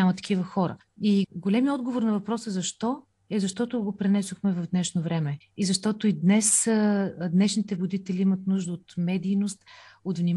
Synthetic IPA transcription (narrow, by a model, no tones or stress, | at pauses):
amət̪ɐ̥kivəxɔɾə̰ | iɡolɛmiəɔd̪ɡovoɾnɐvɐpɾɔsɛzɐʃt̪ɔ | ɛzɐʃt̪ɔt̪ʊɡopɾɛnɛsoxmɛvɐvd̪nɛʃnovɾɛmɛ | izɐʃt̪ɔt̪ʊid̪nɛs | d̪nɛʃnit̪ɛvʊd̪it̪ɛliimət̪nuʒd̪əot̪mɛd̪ijnost̪ot̪vnim